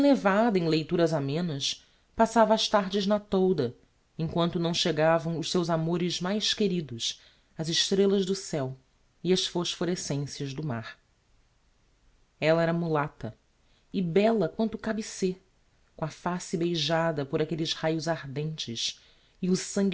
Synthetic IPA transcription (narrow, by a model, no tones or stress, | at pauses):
levad̪ɐẽlejt̪uɾɐzamẽnɐs | pasavɐːʃt̪aɾd͡ʒɪznɐt̪owd̪ɐ | ẽŋkwɐ̃nt̪ʊnɐ̃w̃ʃeɡavɐ̃w̃ʊʃsewzamoɾɪzmajʃkeɾid̪ʊs | ɐzɪʃt̪ɾelɐʒd̪ʊsɛw | iɐsfoʃfoɾesẽsjɐʒd̪ʊma̰ɾ | ɛlɐɛɾɐmulat̪ɐ | ɪbɛlɐkwɐ̃nt̪ʊkabɪse | kõɐfasibejʒad̪ɐpoɾakelɪzhajʊzaɾd̪ẽnt͡ʃɪs | iʊsɐ̃ŋɡ